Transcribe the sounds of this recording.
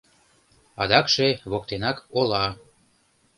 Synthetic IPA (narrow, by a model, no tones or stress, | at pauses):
ɑd̪ɑkʃeβok̚t̪enɑkolɑ